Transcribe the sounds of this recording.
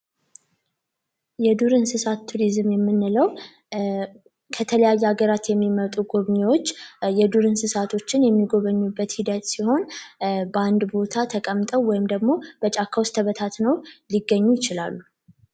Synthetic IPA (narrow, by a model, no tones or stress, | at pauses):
jɛd̪uɾɨnsɨsat̪ʰːuɾizmjɛmːɨnːɨləw | kʰət̪ʰələjajːɛaɡəɾat̪jɛmːimət̪ʼuɡo̞βɲewo̞t͡ʃːjɛd̪uɾɨnsɨsat̪ʰo̞t͡ʃːɪnjɛmːiɡo̞βəɲːubːət̪hid̪ət̪siho̞nbəand̪bo̞t̪ʰat̪ʰəkʼəmt̪ʼəwwɔjɪmd̪əɡmo̞b̥ət͡ʃʼakʰːawst̪ʰəβət̪ʰat̪nəwliɡəɲːujɪt͡ʃɪla̰lːu